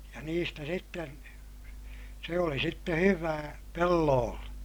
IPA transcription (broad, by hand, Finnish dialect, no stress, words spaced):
jɑ niːstæ sitːen se oli sitːe hyʋæː pelːoːlːe